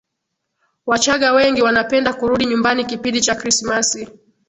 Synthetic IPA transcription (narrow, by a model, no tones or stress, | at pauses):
wat͡ʃaɠawɛŋɡiwanapɛndakuɾuɗiɲumbanikipindit͡ʃakɾismasi